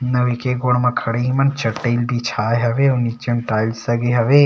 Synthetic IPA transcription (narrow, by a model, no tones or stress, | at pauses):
nɐʋikeɡoːɽmɐ̃kʰɐɽeɦimɐnt͡ʃɐʈːelbʱit͡ʃʰaːjɦɐʋeʊnit͡ʃɐnʈaːilsɐɡeɦɐʋe